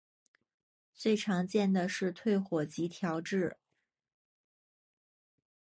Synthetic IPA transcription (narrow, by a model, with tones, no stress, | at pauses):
t͡swe˥˩ɪʈ͡ʂʰɑ˧˥ŋt͡ɕjɛ˥˩nd̪ə˩ʂɻ̩˥˧t̪ʰwe˥˩ɪxwɔ˨˩t͡ɕi˧˥t̪ʰjɑ˧˥ʊʈ͡ʂɻ̩˥˩